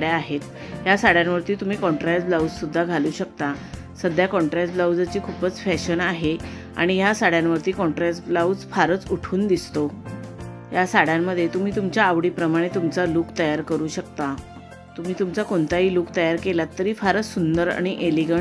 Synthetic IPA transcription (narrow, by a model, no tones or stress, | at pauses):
ɽjaaɦet̪ | jasaɽ̤janʋəɾt̪iːt̪um̤iːkɔ̃ɳʈɾɛsblauwd͡zsud̪ʱːaɡʱaluːɕəkt̪a | səd̪ʱjakɔ̃ɳʈɾɛsblawd͡zat͡ɕiːkʰupət͡sfɛɕənaɦe | a̰ɽ̃ijasaɽjanʋəɾt̪iːkɔɳʈɾɛsblaud͡zfaɾət͡suʈʰuːnd̪ist̪o | ɦjasaɽ̤jamːəd̪ʱːjet̪um̤iːt̪umt͡ɕjaːʋɽiːpɾəmaɽ̃et̪umt͡saluːkt̪əjaɾkəɾuːɕək̚t̪a | t̪um̤iːt̪umt͡sakoɳt̪aɦiːluːkt̪əjaɾkelat̪ːəɾiːfaɾət͡ssund̪əɾa̰ɽ̃iʔeliɡə